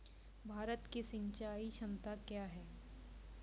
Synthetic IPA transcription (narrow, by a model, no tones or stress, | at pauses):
bʱaːɾət̪kisɪ̃ɲt͡ʃaːiʃɐmt̪akjaːɦɛː